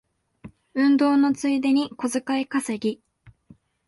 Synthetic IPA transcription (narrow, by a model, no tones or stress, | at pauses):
ɯ̟̃nd̪o̞ːno̞t͡sɨid̪e̞ɲ̟iko̞zɨkaikaseɡʲi